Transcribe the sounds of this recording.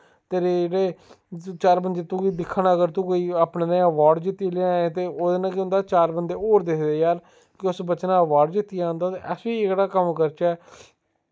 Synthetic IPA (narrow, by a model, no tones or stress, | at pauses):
t̪eːɾeːd͡ʒeːɽeː | t͡ʃaːɾbənd̪eːt̪ũːiːd̪ɪkʰːnaːəɡəɾt̪ũːkoːiːaːpneːnẽəʋaːɖd͡ʒɪt̪ːiːleaẽːt̪eːoːd̪eːnãːkʊ̃nd̪aːt͡ʃaːɾbənd̪eːoːɾd̪eːkʰd̪eːjaːɾ | kɪʊsbət͡ʃnãːəʋaːɖd͡ʒɪt̪ːiaːnd̪aːt̪eʔɛsʋiːɪkɽaːkəmkəɾt͡ʃɛː